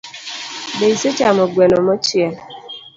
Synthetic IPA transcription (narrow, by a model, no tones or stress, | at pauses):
beiset͡ʃamɔɡwɛnɔmɔt͡ʃjɛ